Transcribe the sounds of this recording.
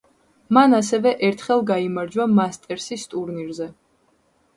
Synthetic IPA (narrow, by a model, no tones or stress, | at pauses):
manasɛvɛʔɛɾt̪ʰχɛlˠɡaimaɾd͡ʒwamast̪ʼɛɾsist̪ʼuɾniɾzɛ